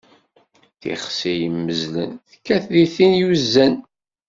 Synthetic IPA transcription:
θḭχsijəmːəzlə̰nθkːæθðiθinjuzːæn

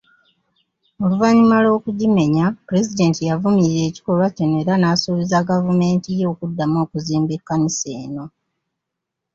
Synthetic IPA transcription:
oluvaɲimalo̞ːkuɟime̞ɲapuɾezide̞ːntijavumiɾiɾe̞ːci̥ko̞lwaco̞ne̞ːɾanaːsuːβizaɡavume̞ːntijo̞ːkudːamo̞ːkuziːmbe̞kːanise̞ːno̞

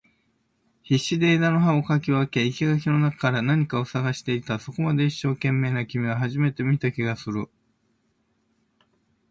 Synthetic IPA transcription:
çiɕːid̪e̞ːd̪anoɦao̞kakʲioake̞ikʲiɡak̬ʲino̞nakakaɾanaɲ̟ikao̞saɡaɕi̥t̪e̞it̪aso̞ko̞mad̪e̞iɕːo̞ːkẽ̞mːe̞ːnakʲimʲiɡaɦaʑime̞t̪e̞mʲit̪akʲiɡasɨɾɯ̟

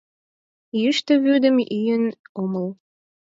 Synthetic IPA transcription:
jyʃt̪ə̆βød̪ə̆mijənoməl

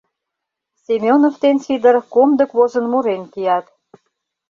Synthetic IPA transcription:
sʲemʲjonoft̪ensid̪ərkomd̪ə̆kβozə̆nmuɾenkijɑt̪

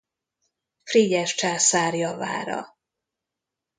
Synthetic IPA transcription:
friɟɛʃt͡ʃaːsaːrjɒva̰ːɾɒ̰

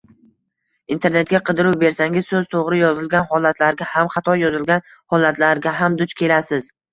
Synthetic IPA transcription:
int̪ʰe̞ɾne̞t̪ɡʲaqʰɨd̪ɪɾuwbe̞ɾsaŋʲɪzsɵzt̪ʰoʁɾɪjɒzɪlɡʲanhɒlat̪ʰlaɾɡʲahamχat̪ʰɒjjɒzɪlɡʲan | hɒlat̪ʰlaɾɡʲaɦamd̪ʊt͡ʃkʲʰe̞lasɪz̥

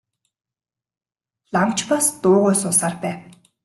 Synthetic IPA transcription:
ɮamt͡ɕpast̪ʊːʁoːsʊːsaːrpæːw

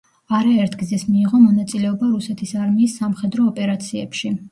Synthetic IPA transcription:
aɾaɛɾt̪ʰɡzɛsmiːʁɔmɔnat̪sʼilɛɔbaɾusɛt̪ʰisaɾmiːsːamχɛd̪ɾɔːpʼɛɾat̪sʰiɛpʃi

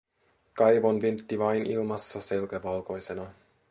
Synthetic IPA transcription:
kɑjʋonʋynt̪ːiʋɑjnʔḭlmɑsːɑse̞lkæʋɑlko̞jsenɑ

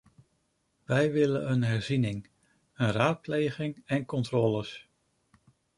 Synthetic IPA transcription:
ʋɛjʋɪlə̰nənɦɛɹzinɪŋ | ənraːt̚plejχɪŋɛnkɔntrɔːləs

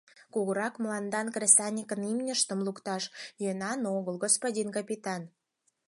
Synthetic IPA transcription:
kuɣəɾɑkmlɑnd̪ɑnkrʲesɑnʲikənimnʲəʃt̪ə̆mlukt̪ɑʃjønɑnoɣəlɣospodʲinkɑpʲit̪ɑn

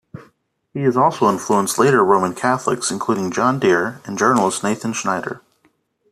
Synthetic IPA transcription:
hiɨzɔlˠsoʊɪ̃nfluə̃nstˡleɪɾə˞ɹõʊ̃mə̃nkʰæθlə̰ksɨ̃nkʰl̥uɾɪ̃ŋd͡ʒɑ̃ndɪɹɨ̃nd͡ʒɜ˞nl̩ˠəsneɪθɨ̃nʃnaɪɾə̰˞

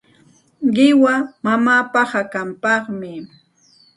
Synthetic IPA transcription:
ɢɪwamamaːpɑhakampɑχmɪ

